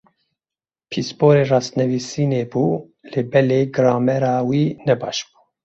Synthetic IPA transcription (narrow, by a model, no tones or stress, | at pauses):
pʰispoːɾeːrɑːst̪nɛvisiːneːbuː | lɨbɛleːɡɨɾɑːmɛɾɑːwiːnɛbɑʃb̥u̥ː